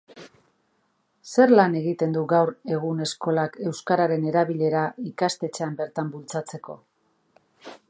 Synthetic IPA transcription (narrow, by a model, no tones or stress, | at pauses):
se̞ɾlane̞ɣit̪e̞nd̪uɣawɾe̞ɣ̞une̞sko̞lake̞wskaɾaɾe̞ne̞ɾaβiʎe̞ɾaikast̪e̞t͡seambe̞ɾt̪ambult͡sat͡se̞ko̞